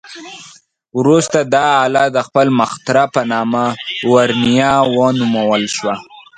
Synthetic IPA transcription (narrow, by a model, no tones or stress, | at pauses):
wɾust̪ad̪ɑːlɑd̪əxpəlməxt̪ɾapənɑmawaɾnijɑwənumawəlʃwa